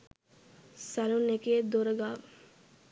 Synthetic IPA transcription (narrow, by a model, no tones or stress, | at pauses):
saluneked̪oɾəɡaːʋ